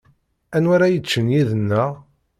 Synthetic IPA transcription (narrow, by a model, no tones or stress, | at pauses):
ænwaɾajət͡ʃːənjiðənːəʁ